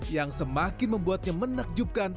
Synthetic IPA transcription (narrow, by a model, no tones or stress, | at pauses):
jaŋsəmakɪnməmbuat̪̚ɲamənak̚d͡ʒup̚kan